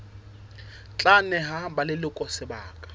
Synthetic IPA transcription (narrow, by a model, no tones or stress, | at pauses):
t͡ɬʼanɛɦabalɪlɪkʼɔsɪbaːkʼḁ